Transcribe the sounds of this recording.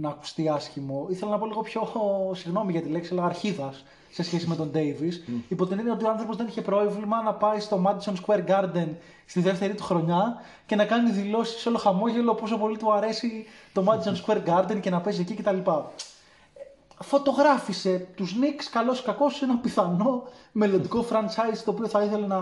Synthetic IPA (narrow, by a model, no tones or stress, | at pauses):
nɐːku̥st̪iɐsçimo̞iθelɐnɐpo̞liɣo̞pço̞siɣno̞miʝɐt̪ile̞ksielɐɐɾçiðɐsː | e̞sçesime̞t̪o̞nd̪e̞jvisipot̪enineot̪ioɐnθɾo̞po̞zðeniçe̞pɾo̞vlimɐnɐpɐist̪o̞mɐd̪izonskweɾɡɐɾd̪e̞n | st̪iðe̞ft̪e̞ɾit̪u̥xɾo̞ɲɐ | ce̞nɐkɐniðilo̞si̥seo̞lo̞xɐmo̞ʝe̞lo̞po̞so̞po̞lit̪uɐɾe̞sit̪o̞mɐd̪izo̞nskwe̞ɾɡɐɾd̪ence̞nɐpe̞s̬ecice̞t̪ɐlipɐ | fo̞t̪o̞ɣɾɐfise̞t̪uznikskɐlo̞skɐko̞senɐpiθɐno̞me̞lond̪iko̞fɾɐnt͡ʃɐizt̪o̞ːpio̞θɐiθe̞le̞nɐ